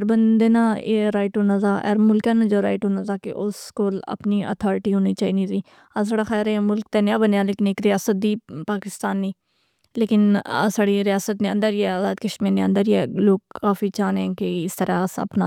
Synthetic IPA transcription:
ɾbənd̪eːnaeɾaːɪʈɦoːnaːzaːʔɛ̰ːɾmʊlkɛːnad͡ʒoːɾaːɪʈɦoːnaːt̪aːkḛʔʊskoːlə̰pniːʔə̰t̪ʰɔːɾɪʈiːɦoːniːt͡ʃaːiːniːt̪iː | as̬aːɽaːxɛːɾɛmʊlk̚t̪eːnjaːbənjaːleːkɪneːkɾɪjaːsət̪̚d̪iːpaːkɪst̪aːnːiː | leːkɪna̰saːɽiːɾɪjaːsət̪nẽə̃nd̪əɾiɛaːd̪aːd̪kəʃmiːɾnẽə̃nd̪əɾiɛːloːɡ̚kːaːfiːt͡ʃaːnɛ̃keɪst̪əɾaːsə̰pna

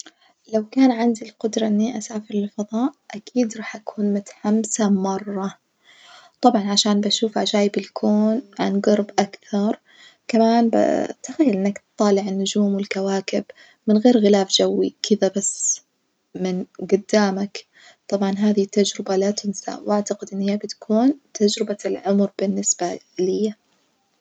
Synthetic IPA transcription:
lawkaːnʕand̪ilqʊd̪ɾˤɑʔɪnːiʔasaːfɪɾlɪlfɑðˤɑːʔʔakiːd̪ɾˤɑːħʔakʰuːnmʊt̪ḁħamsamɑrˤːɑ | t̪ˤɑbʕɑnʕaʃaːnbaʃuːfʔʕad͡ʒaːjɪbɪlkʰoːnʕa̰nɡɑɾˤbʔakθɑɾˤ | kamaːnba̰t̪axajːalʔɪnːakt̪t̪ˤːɑːlɪʕɪnːʊd͡ʒuːmwɪlkawaːkɪb | mɪnɣeːɾɣɪlaːfd͡ʒawːikʰɪðabasː | mɪnɡʊd̪ːaːmak | t̪ˤɑbʕɑnɦaːðit̪ːad͡ʒɾɪbalat̪ɪnsa̰wʔaʕt̪aqɪd̪ʔɪnːhijːabɪt̪kʰuːnt̪ʰad͡ʒɾɪbalʕʊmɾb̥ɪnːɪsb̥a | lɪjːa

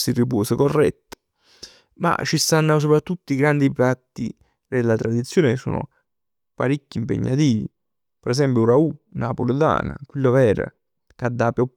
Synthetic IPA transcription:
sirip̬oːsekorːɛ̰t̪ːḁ | ma̰t͡ʃːist̪anːas̬opɾat̪ːut̪ːoiɡɾand̪ipɾat̪ːḭ | d̪elːat̪ɾad̪it̪sːjoːnesːo̰ːnʊ̰ | paɾikːiːmpḛɲːat̪iːvi | pɾɛs̬ɛmpjuɾaunapolɪd̪a̰ːna̰kwilːovɛːɾə̰ | kad̪ːapjɔ

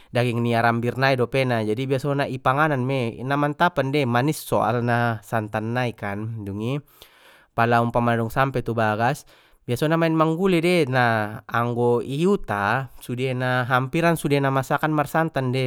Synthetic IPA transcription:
daɡiŋniaɾambirnaidɔpɛnad͡ʒadibiasonaʔipaŋananmɛnamant̪apandɛmanisːɔa̰lnasant̪anːaikanduŋi | palaumpamadɔŋsampɛt̪ubaɡas | biasɔnamainmaŋɡulɛdɛnaːŋɡɔiut̪asudɛenaɦampiɾansudɛnamasakanmarsant̪andɛ

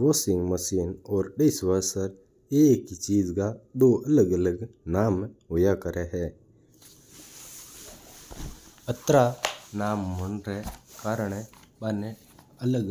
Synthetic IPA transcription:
oːsɪŋɡməsiːnɔːɾɖəɪsʋəɾsəɾ | ekit͡ʃiːd͡ʒkad̪oʔələɡələɡnaːmɦʊjakəɾɛɦɛ | ət̪ɾanaːmːʊnɾɛkaːɾəɳ̃ebane | ələɡ

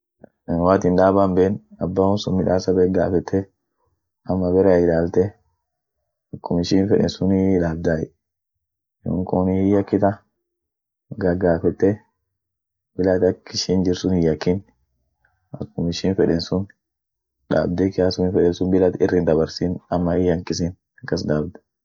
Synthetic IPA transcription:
waːt̪ɪnᶑaːbaːmbeːnɐbːaːʊnsʊnmɪᶑaːsɐbɛɡa̰ːfɛt̪ʰːɛ | ʔɐmːɐbɛɾɛɪlaːlt̪ɛ | ɐkʰːʊmɪʃiːnfɛᶑɛ̰nsʊnɪᶑaːb̚d̪aːjɛ | jo̰ːŋkʊnɪhɪjːɐkːɪt̪ɐ | ɡɐɡaːfɛt̪ːɛ | bɪlat̪ɐkːɪʃiːnd͡ʒɪɾsʊnhɪjːɐkːɪn | ɐkːʊmɪʃiːnfɛᶑɛnsʊn | ᶑa̰ːb̚d̪ɛkɪaːsʊnɪfɛᶑɛnsʊnbɪlat̪ɪrːɪnd̪ɐbɐɾsiːnɐmːɐɪjɐŋkɪsɪn | ɐkːɐs̬d̪aːbd̪ɛ̥

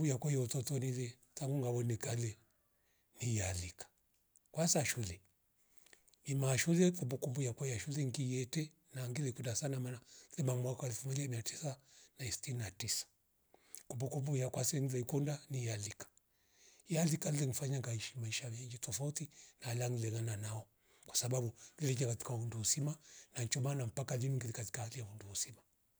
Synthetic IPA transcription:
ujakwɔjɔutɔtɔnilɛ | taŋɡuŋɡaβɔnɛkalɛ | nijalikḁ | kwasaʃulɛ | imaʃulɛkumbukumbujakwɔjaʃulɛŋɡijɛtɛ | naŋɡilɛkundasanamanalɛmamwakaɛlfumɔd͡ʒamiati̥sanaistinatisḁ | kumbukumbujakwasɛŋilɛikundanijalikḁ | jalikalilɛŋifaɲaŋɡaiʃimaiʃamɛŋɡitɔfautinalaŋilɛŋananaɔ | kwḁsaɓaɓuŋɡilɛk̬akati̥kaunduusimanant͡ʃɔmanam̩pakaliniŋɡilikati̥kahalijaunduusima

